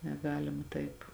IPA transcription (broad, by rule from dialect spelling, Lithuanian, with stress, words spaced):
nʲɛˈɡɑːlʲɪmɐ ˈtɐɪp